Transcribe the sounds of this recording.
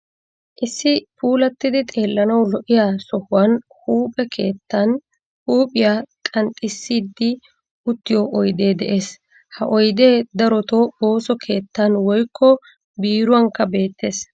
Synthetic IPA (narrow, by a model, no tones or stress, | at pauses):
ʔɪsːɪpuːlɐt̪ːɪd̪ɪt̪ʼe̞ːlːɐnɐwlɔʔɪjasɔhʊwɐnhuːpʼɛkʰe̞ːt̪ːɐn | huːpʼɪjaːkʼɐnt̪ʼːɪsːiːd̪ːɪ | ʔʊt̪ːɪjɔʔɔjd̪e̞ːd̪ɛʔe̞ːs | hɐʔɔjd̪e̞ːd̪ɐɾɔt̪ooːsɔkʰe̞ːt̪ːɐnwɔjkʰːɔ | biːɾʊwɐŋkːɐbe̞ːt̪ːe̞ːs